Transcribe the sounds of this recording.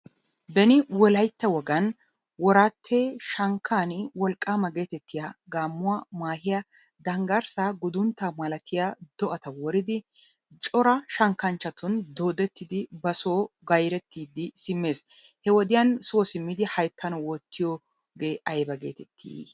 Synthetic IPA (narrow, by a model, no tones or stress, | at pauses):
bɛnɪwɔlɐjt̪ːɐwɔɡɐn | wɔɾaːt̪ʰːeːʃɐŋkʰːaːnwɔlkʼːaːmɐɡe̞ːt̪ɛt̪ːɪjaɡaːmːʊwamaːhɪjɐ | d̪ɐŋɡɐɾsaːɡʊd̪ʊnt̪ːaːmɐlɐt̪ɪjad̪ɔʔɐt̪ɐwɔɾɪd̪ɪ | t͡ʃʼɔɾɐʃɐŋkːɐnt͡ʃːɐt̪ʊnd̪oːd̪ɛt̪ːɪd̪ɪbɐsoːɡɐjɾɛt̪ːiːd̪ɪsɪmːe̞ːs | hɛwɔd̪ɪjɐnsʊwɔsɪmːɪd̪ɪhɐjt̪ʰːɐnɔwɔːt̪ʰːɪjoː | ɡe̞ːʔɐjbɐɡe̞̰ːt̪ɛt̪ʰːḭ